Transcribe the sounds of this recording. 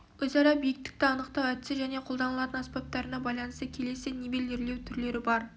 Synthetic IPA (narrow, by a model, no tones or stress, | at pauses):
wɵzɑɾɑbijɪk̚t̪ɪ̥k̚t̪ɪɑnəqt̪ɑwæt̪sɪʒæne̞qʰo̞lˠd̪ɑnəlˠɑt̪ənaspʲep̚t̪ːɑɾənɑbɑjlˠɑnəst̪əkʲʰe̞le̞sɪnebeleɾle̞wt̪ʰʏɾle̞ɾɪbɑɾ